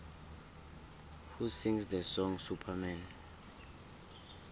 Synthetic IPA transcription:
husĩŋsd̪əsɔ̃ŋsupʰamɛn

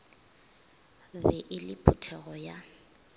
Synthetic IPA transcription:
bɛʔɪlɪpʰʊtʰɛɣɔja

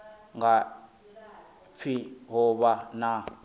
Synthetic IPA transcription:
ŋɡa | fʰiɦɔβana

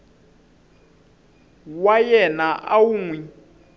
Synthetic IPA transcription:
wajɛnaʔawuŋwi

